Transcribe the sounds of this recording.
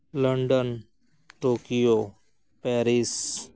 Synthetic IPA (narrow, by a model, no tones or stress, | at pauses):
ləɳɖən | ʈoːkijo | pɛːɾis